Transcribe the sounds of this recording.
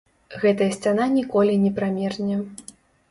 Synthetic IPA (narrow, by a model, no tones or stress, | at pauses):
ɣɛt̪ɐjɐsʲt͡sʲan̪anʲikɔlʲinʲɛpɾamʲɛrnʲɛ